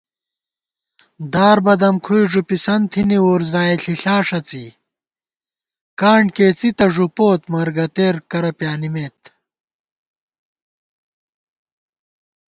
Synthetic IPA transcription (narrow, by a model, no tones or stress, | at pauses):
d̪aːɾbɐd̪ɐmkʰujʐupisɐnt̪ʰiniuːɾzaːeɬiɬaːʂɐt͡sḭ | kaːɳkeːt͡sit̪ɐʐupoːt̪mɐɾɡɐt̪eːɾkɐɾɐpjaːnimeːt̪